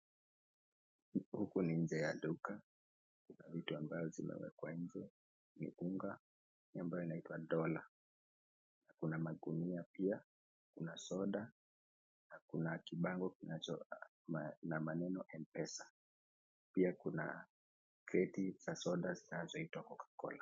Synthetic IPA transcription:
hukuniɲ̩d͡ʒɛjaɗuka | kunavituambajɔzimɛ̰wɛ̰kwaɲ̩d͡ʒɛ | nḭuŋɡa | iambajɔinaitwaɗɔla | nakunamaɠuniapia | kunasɔɗa | nakunakiɓaŋɡɔkinat͡ʃɔ̰ | namanɛnɔʔɛmpɛsḁ | piakuna̰ | kɛtiz̥asɔɗazinazɔhitwakɔkḁkɔ̰la

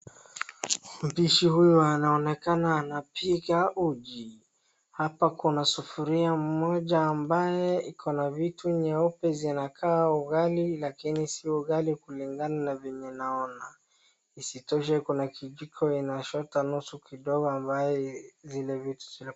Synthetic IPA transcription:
m̩piʃihujɔanaɔnɛkanaːnapiɣaʔuʄi | hapakunasufuɾiam̩mɔʄaːmbajɛikʰɔnavituɲɛɔpɛzinakʰaːuɣalilakinisiuɣalikuliŋɡananavɛɲɛnaɔna | isitɔʃ̬ɛkunakiʄikʰɔinaʃɔtanusukiɗɔɣɔambajɛzilɛvitu̥zil

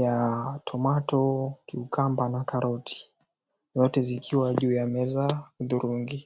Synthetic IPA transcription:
jatʰɔmatɔkiukʰambanakaɾɔtʰi̥ | zɔtɛzikʰiwaʄuːjamɛzauðuɾuŋɡi

